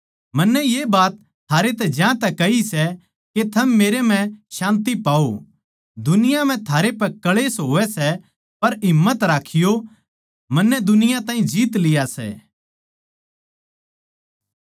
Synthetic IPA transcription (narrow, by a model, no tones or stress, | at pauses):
mɐnːɛjeːbaːt̪ʰːaːɾet̪̬ɛd͡ʒjãt̪ɛkɐisɛ | ket̪ʰɐmːeːɾem̤ɛ̃ʃãːnt̪̬ipaːo | d̪ʊnɪjam̤ɛ̃t̪ʰaːɾepɛkɐɭeːsɦoːʋɛsɛ | pɐɾɦɪmːət̪ɾaːkʰɪjo | mɐnːɛd̪ʊnɪjãt̪ãːĩd͡ʒiːt̪lɪjasɛ̰ː